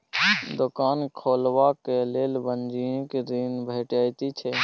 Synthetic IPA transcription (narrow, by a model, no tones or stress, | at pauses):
d̪ʊkaːnkʰoːlʋakeleːlbənd͡ʒiẽkeɾinbʱeːʈaːjt̪it͡ʃʰɛː